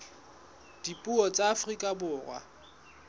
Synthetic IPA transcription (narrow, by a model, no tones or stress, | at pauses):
d̥ipʼuɔt͡sʼaːfrikʼabʊːrwa̰